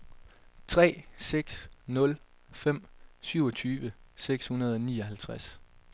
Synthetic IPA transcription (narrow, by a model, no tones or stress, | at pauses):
t͡sʰʁɛ̰ːseɡ̥snɔ̽l | fem̰syʊ̰ɒt͡sʰyːʋəseɡ̥shunɐð̞ˠɒnḭːɒ̽ɦælt͡sʰʁas